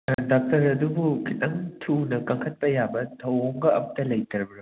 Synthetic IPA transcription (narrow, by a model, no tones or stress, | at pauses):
dak̚tɐɾɐdubukʰitɐŋtʰunɐkɐŋkʰɐt̚pɐjabɐtʰɐwoŋɡɐɐ̰pɐtɐlɐjtɐɾbɐɾo